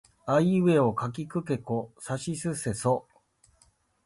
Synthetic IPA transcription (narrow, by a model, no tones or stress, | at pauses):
aiβe̞o̞kak̬ʲikɯ̟ke̞kosaɕisɨse̞so